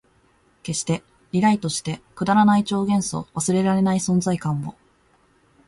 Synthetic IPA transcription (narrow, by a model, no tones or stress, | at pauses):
ke̞ɕi̥t̪e̞ | ɾʲiɾait̪o̞ɕi̥t̪e̞kɯ̟d̪aɾanait͡ɕo̞ːɡẽ̞ɰ̃so̞̰βasɨɾe̞ɾaɾe̞naisõ̞nzaikãmːo̞̰